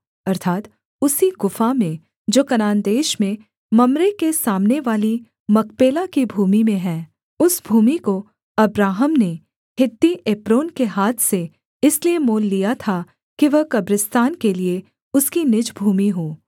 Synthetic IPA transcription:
ɐɾt̪ʰaːt̪ | ʊsiɡʊfamẽ | d͡ʒoːkɐnaːnd̪eːʃmẽ | mɐmɾekesaːmneʋaːli | mɐkpeːlakibʱuːmimẽɦɛ̃ː | ʊsbʱuːmiko | ɐbɾaːɦəmne | hɪt̪ːiʔeːpɾoːnkeɦaːt̪ʰse | ɪsliemoːlːijat̪ʰa | kiʋɐɦkɐbɾɪst̪aːnkelie | ʊskinɪd͡ʒbʱuːmiɦoː

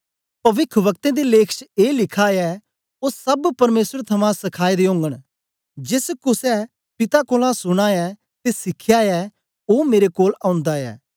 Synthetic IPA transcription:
pɐʋɪkʰʋɐkt̪ẽd̪ileːkʰt͡ʃeːlɪkʰaɛ | osɐbpɐɾmeːsəɾt̪ʰɐmãsɐkʰaːid̪eõːŋɡəɽ̃ | d͡ʒɪskʊsɛ | pɪt̪akoːlãsʊɽ̃aɛ | t̪esɪkʰːjaɛː | oːmeːɾekoːlãːʊ̃nd̪aɛ̰ː

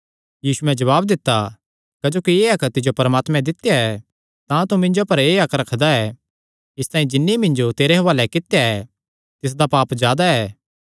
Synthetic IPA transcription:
jiːsuɛ̃d͡ʒɐβaːb̚d̪ɪt̪ːa | kɐd͡ʒoːkieːɐkt̪ɪd͡ʒopɐɾəmaːt̪mɛ̃d̪ɪt̪jaɛ | t̪ãt̪umɪ̃nd͡ʒopɐɾeːɐkɾɐkʰd̪aɛ | ɪst̪ãːĩd͡ʒɪnːimɪ̃nd͡ʒot̪eːɾeɦɐʋaːlɛkɪt̪jaɛ | t̪ɪs̬d̪apaːpzjaːd̪aɛː

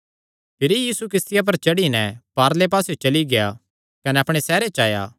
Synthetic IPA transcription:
pʰɪɾijiːsukɾɪst̪ɪjap̬ɐɾt͡ʃɐɽinɛpaːɾlep̬aːsjot͡ʃɐliɡeja̰ | kɐnɛɐpɽ̃esɛːɾet͡ʃaːja̰ː

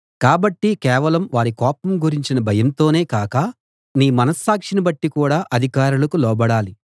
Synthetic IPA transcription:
kaːbɐʈːikɛːʋɐlɐmʋaːɾikɔːpɐmɡuɾiɲt͡ʃinɐbʱɐjɐmt̪o̞ːne̞ːkaːkɐ | niːmɐnɐsːaːkʂinibɐʈːikuːɽaːʔɐd̪ʱikaːɾulɐkulɔːbɐɽaːli

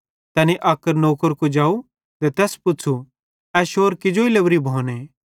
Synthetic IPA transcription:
t̪ɛːniʔaːkəɾnoːkəɾkod͡ʒaːu | t̪ɛt̪ɛːspʊt͡ʃʰu | ɛʃoːɾkɪd͡ʒoilɐbɾibʱoːne

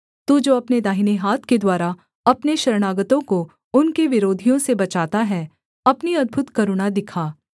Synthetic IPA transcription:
t̪ud͡ʒoːɐpned̪aːɦɪneɦaːt̪ʰked̪waːɾa | ɐpneʃɐɾɽ̃aːɡət̪õko | ʊnkeʋɪɾoːd̪ʱijõsebɐt͡ʃaːt̪aɦɛ | ɐpniɐd̪̚bʱʊt̪kɐɾʊɽ̃ad̪ɪkʰaː

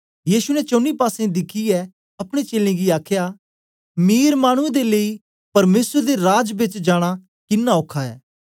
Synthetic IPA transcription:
jiːsunɛt͡ʃõːnipaːsẽd̪ɪkʰiɛ | ɐpɽ̃et͡ʃeːlẽɡiaːkʰja | miːɾmaːɽ̃ʊ̃ẽd̪elei | pɐɾmeːsəɾd̪eɾaːd͡ʒbɪt͡ʃd͡ʒaːɽ̃a | kɪnːaoːkʰːaɛ̰ː

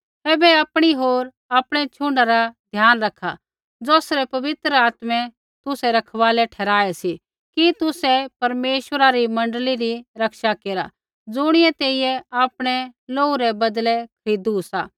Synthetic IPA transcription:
ɛːbɛɐːpɽ̃iɦoːɾ | aːpɽ̃ɛt͡ʃʰʊɳɖaɾad̪ʱjaːnɾɐkʰa | d͡zoːsɾɛpɐʋɪt̪ɾəaːt̪mɛ̃ | t̪ʊsɛɾɐkʰʋaːlɛʈʰɛːɾaːɛsi | kit̪ʊsɛpɐɾmeːʃʋəɾaɾimɐ̃ɳɖliɾiɾɐkʃakeːɾa | d͡zʊɽ̃ɪɛt̪eːijɛaːpɽ̃ɛloːuɾɛbɐd̪lɛkʰɐɾiːd̪usa̰ː

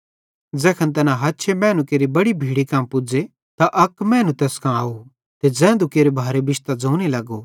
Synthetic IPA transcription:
d͡zɛːkʰɐnt̪̬ɛːnãɦɐtːʃʰemɛ̃ːnukeːɾibɐɽibʱiːɽikãːmpʊd͡ʒe | t̪aʔɐkmɛ̃ːnũt̪ɛːskʰãaːo | t̪ed͡zɛ̃ːnd̪ukeːɾebʱaːɾebɪʃt̪ad͡zoːnelɐɡoː

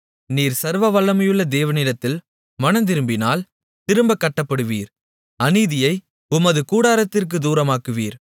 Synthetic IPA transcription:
niːɾsɐɾʋɐʋɐlːɐmɐjɯɭːɐd̪eːʋɐnɪɽɐt̪ːɪl | mɐnɐnd̪ɪɾɯmbɪnaːl | t̪ɪɾɯmbɐkːɐʈːɐpːɐɽɯʋiːɾ | ɐniðɪjɐɪ | ʊmɐðɯkuːɽaːɾɐt̪ːɪrk̬ɯd̪uːɾɐmaːkɯʋiːɾ

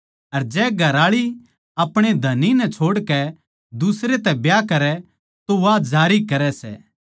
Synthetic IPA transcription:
ɐɾd͡ʒɛːɡʱɐɾaːɭi | ɐpɽ̃ed̪ʱɐninɛt͡ʃʰoːɽkɛ | d̪ʊsɾet̪ɛbjakɐɾɛ | t̪oʋaːd͡ʒaːɾikɐɾɛsɛ̰ː

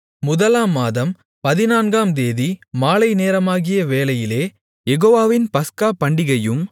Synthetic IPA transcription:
mʊðɐlaːmːaːðɐm | pɐðɪnaːnɡaːmd̪eːðimaːlɐɪneːɾɐmaːɣɪjɐʋeːlɐjɪleː | jɛɣoːʋaːʋɪnpɐskaːpɐɳɖɪɣɐjɯm

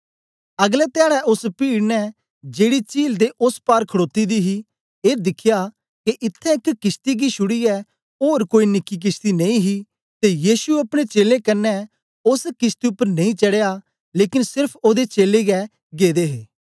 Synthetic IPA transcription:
əɡlɛt̪ɪjaːɽɛʔʊspiːɽnɛː | d͡ʒeːɽit͡ʃiːld̪eːʔʊspaːɾkʰəɽoːt̪id̪iːɦiː | eːd̪ɪkʰɪjaː | keʔɪt̪ʰːɛ̃ɪkkɪst̪iːɡiʃʰʊɽiɛː | oːɾkoːinɪkːik̬ɪst̪iːnɐĩɦiː | t̪ejiːʃuɐpɽ̃et͡ʃeːlẽːkənːɛ | ʊskɪst̪iʊpːəɾnɐ̃ĩːt͡ʃəɽejaː | leːkɪnsɪɾpʰoːd̪et͡ʃeːleːɡɛː | ɡeːd̪eːɦeː

